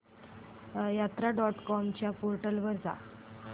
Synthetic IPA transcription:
jat̪ɾaɖɔʈkɔmt͡ɕjapoɾʈəlʋəɾd͡za̰

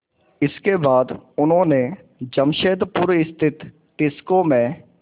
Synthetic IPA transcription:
ɪskebaːd̪ʊnɦõːne | d͡ʒəmʃeːd̪puɾɪst̪ʰɪt̪ː | ɪskomẽ

